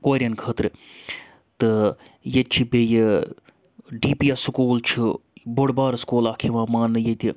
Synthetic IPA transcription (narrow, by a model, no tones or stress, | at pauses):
koːɾʲiɐnkʰəːt̪ɾɨ | t̪ɨjet͡ʃʰibeje | ɖiːpijasɨkoːlt͡ʃʰuboɽbaːɾskoːlaːkʰeʋãːmaːnːɨjet̪ʲi